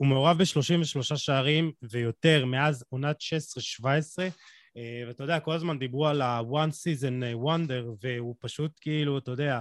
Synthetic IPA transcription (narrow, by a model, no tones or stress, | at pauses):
ume̞oʁavbeʃlo̞ʃimveʃlo̞ʃaʃaːʁimve̞jo̞te̞ʁme̞azonat̪ʃeesʁeʃvaesʁe̞ | veatajodeako̞lazmand̪ibʁualawansizenwand̪e̞ʁve̞upaʃutkeiluatajod̪ea